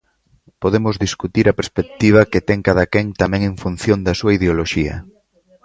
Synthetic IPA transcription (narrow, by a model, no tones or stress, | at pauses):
poðemozðiskut̪iɾɐpeɾspek̚t̪iβ̞ɐket̪ɛŋkaðɐkɛŋt̪amɛ̃ŋẽɱfun̟θjõnd̪ɐsuɐiðeoloʃiɐ̰